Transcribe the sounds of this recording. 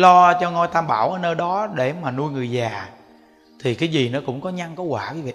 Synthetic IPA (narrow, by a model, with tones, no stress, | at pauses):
lɔ˧t͡ɕɔ˧ŋɔ˧jt̪ʰaː˧mɓaː˧˩wʔəː˧˩nəː˧jɗɔ˨˦ɗe˧˩maː˨˩nu˧əjŋɨ˨˩əjzaː˨˩ | t̪ʰi˨˩kaː˨˦jzi˨˩nɔ˨˦kʊ̰˧˥wŋ͡mkɔ˨˦ɲa˧ŋkɔ˨˦kwaː˧˩ki˨˦vḭ˧˨